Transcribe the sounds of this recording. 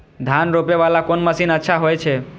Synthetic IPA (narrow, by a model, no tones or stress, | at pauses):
d̪ʱanɾopeʋalakonməsinətːʃʰaɦojt͡ʃʰe